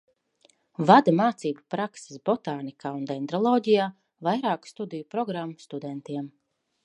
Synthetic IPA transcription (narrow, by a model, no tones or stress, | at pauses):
vad̪amaːt̪siːbapɾakse̥sbɔt̪aːnikʰaːund̪ɛnd̪ɾɔlˠɔːɟijaː | vajɾaːkst̪ud̪ijupɾɔɡɾamːust̪ud̪ɛnt̪iɛm